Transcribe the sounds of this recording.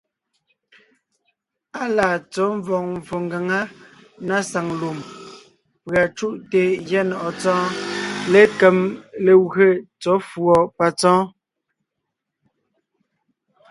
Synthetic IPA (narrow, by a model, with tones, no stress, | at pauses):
a˦laː˨t͡sɔ˨˦ɱ˦vɔ˨ŋ̚ɱ˨fo˨ŋɡa˨ŋa˦na˦sa˨ŋlu˨m | pɰa˨t͡ʃu˦ʔte˨ɣja˦nɔ˨ʔɔ˨t͡sɔ̃ː˦le˦kɛ˨mle˨ɣe˦˨t͡sɔ˨˦fwɔ˨pa˨t͡sɔ̃ː˦